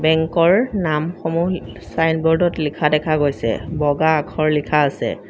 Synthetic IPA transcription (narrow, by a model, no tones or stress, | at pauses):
bɛŋkɔɹnamxɔmu | sajnbɔɹdɔtlikʰadɛkʰaɡojsɛ̰bɔɡaːkʰɔɹlikʰaːsɛ̰